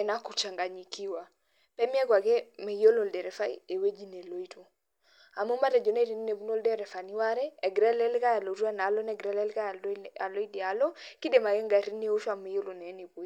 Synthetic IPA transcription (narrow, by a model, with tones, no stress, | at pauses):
ɛ˨na˦ku˨t͡ʃa˨ŋɡa˨ɲi˨ki˦wa˨ | pɛ˦mi˦ɛ˦ɡwa˨ɡɛ˦me˨jo˦lo˨ldɛ˨ɾɛ˨fa˦ḭ˦e˨we˦d͡ʒi˦ne˨lo˨i˦to˨ | a˨mu˦ma˦tɛ˨d͡ʒɔ˨ne˦ɾi˦n˦ne˨bu˦no˦ldɛ˦ɾɛ˨fa˨ni˦wa˦ɾɛː˦˨ɡɾɛ˦lɛ˦lka˦ja˨lo˨ɾu˦a˦na˨lɔ˦nɛ˦ɡɾɛ˦lɛ˦lka˦˨a˨lo˦i˦di˨a˨lɔ˦ki˦de˨ma˨ɡɛ˦ŋɡa˨ɾi˦nːe˦o˦ʃa˨me˨jo˦lo˨nɛ˨˦ni˨bo˨i˦